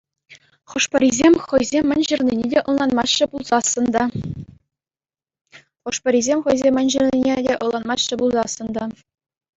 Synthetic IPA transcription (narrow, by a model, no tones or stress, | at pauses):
χɤ̆ʂpɤ̆ɾʲizʲemʲχɤ̆jzʲemʲːɘ̆nʲʑɘ̆rʲnʲinʲedʲeʔɤ̆lˠlˠɑnmɑɕːɘ̆bulˠzɑsːɤ̆nd̪ɑ | χɤ̆ʂpɤ̆ɾʲizʲemʲχɤ̆jzʲemʲːɘ̆nʲʑɘ̆rʲnʲinʲedʲeʔɤ̆lˠlˠɑnmɑɕːɘ̆bulˠzɑsːɤ̆nd̪ɑ